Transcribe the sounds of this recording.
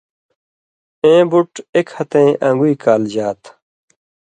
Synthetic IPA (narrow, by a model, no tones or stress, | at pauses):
ẽːbuʈekhɐt̪ẽːʔɐ̃ŋɡuiːkaːld͡ʑaːt̪